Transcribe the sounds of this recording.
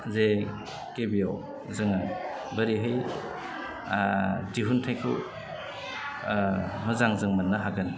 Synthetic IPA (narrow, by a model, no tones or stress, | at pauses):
ze | kebijaw | zɯŋa | bɐɾiɦɯj | diɦuntʰajkʰṵ | muzaŋzɯŋmanːaɦaɡɯn